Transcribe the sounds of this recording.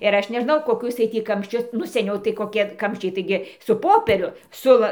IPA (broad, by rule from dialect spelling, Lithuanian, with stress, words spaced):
ɪr ˈɐʃ nʲɛˈʒnɐʊ koːˈkʊs jiɛj ˈtʲiː kɐmʲʃʲˈt͡ʃʲʊs nʊ sʲɛˈnʲɛʊ tɐɪ koːˈkʲiɛ ˈkɐmʲʃʲt͡ʃʲɛɪ tɐɪˈɡʲɪ sʊ ˈpoːpʲiɛrʲʊ ˈsʊ ʋɐ